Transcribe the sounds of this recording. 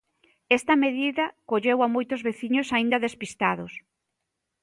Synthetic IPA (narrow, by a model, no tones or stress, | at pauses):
ɛst̪ɐmeðiðɐkoʎewamojt̪ʊzβeθiɲosaind̪ɐðespist̪aðʊs